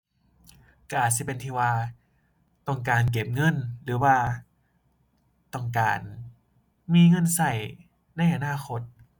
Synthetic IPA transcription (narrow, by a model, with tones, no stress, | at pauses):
ka˧˩ʔaː˨˩t̪̚si˧˩pe˧˨nt̪ʰiː˧˩waː˧ | t̪ɔ˧˩ŋkaː˨˩nk̬e˨˩p̚ŋɤ˧˥˨nlɯː˨˩˦waː˧ | t̪ɔ˧˩ŋka̰ː˨n | miː˧ŋɤ˧˥˨nsa˧˩j | na˧˩˨jʔa˧naː˧˥˩xo˧t̪̚